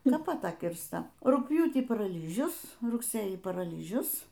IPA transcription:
ˈnʊ pɐt ˈtɐ kʲɪrstɐ rʊkpʲˈjuːtʲiː pɐrɐˈlʲiːʒʲʊs rʊkˈsʲeːjiː pɐrɐˈlʲiːʒʲʊs

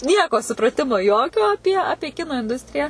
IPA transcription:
ˈnʲiɛkoː sʊprɐˈtʲɪmoː ˈjoːkʲoː ɐˈpʲiɛ ˈɑːpʲiɛ ˈkʲɪnoː ɪnˈdʊsʲtʲrʲɪjɛ

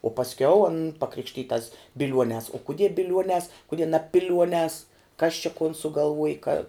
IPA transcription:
oː pɐsʲˈkʲɛʊ ɐn pɐˈkrʲɪkʃʲtʲiːtɐs bʲɪˈlʲuɔnʲɛːs oː kʊˈdʲiɛ bʲɪˈlʲuɔnʲɛːs kʊˈdʲiɛ nɐ ˈpʲɪlʲuɔnʲɛːs kɐs t͡ʃʲɛ koːn sʊɡɐlˠˈʋuɔj kɐ

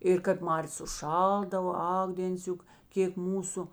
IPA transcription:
ɪr kɐp ˈmɑːrʲeːs ʊʃˈʃɐlˠdɐʋoː ˈɐk dʲeːnʲˈt͡sʲʊk ˈkʲeːk ˈmuːsʊ

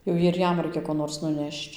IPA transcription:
jɛʊ ɪr ˈjɛm ˈrɐɪkʲɛ koː ˈnoːrs nʊˈnʲɛʃt͡ʃ

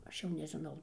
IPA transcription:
ˈɐʃ jɛʊ nʲɛʒʲɪˈnɐʊ

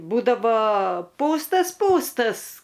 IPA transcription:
ˈbuːdɐʋoː ˈpuːstɐs ˈpuːstɐs

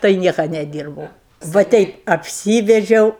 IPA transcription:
tɐɪ ˈnʲiɛkɐ nʲɛˈdʲiːrbɐʊ ʋɐ ˈtʲɛɪp ɐpʲˈsʲiːʋʲɛd͡ʒʲɛʊ

